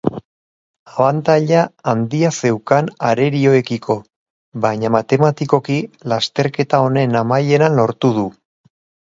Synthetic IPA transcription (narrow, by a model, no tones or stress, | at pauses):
aβant̪aʎaːnd̪iase̞wkanaɾe̞ɾio̞e̞kikʰo̞ | βajɲamat̪e̞mat̪iko̞kilast̪e̞ɾke̞t̪ao̞ne̞namaje̞nanlo̞ɾt̪uð̞u